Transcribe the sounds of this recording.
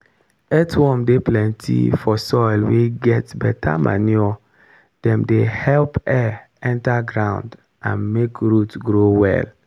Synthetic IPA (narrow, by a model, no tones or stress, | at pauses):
ɛtwɔ̃mdeplɛ̃ntʰḭfɔsɔɪlweɡɛtbɛtʰa̰mʔa̰niɔ | d̥ɛ̃mdehɛlpɛ | ɛ̃ntaɡɹãʊ̃nd | ã̰nmekɹutɡɾowɛ̰l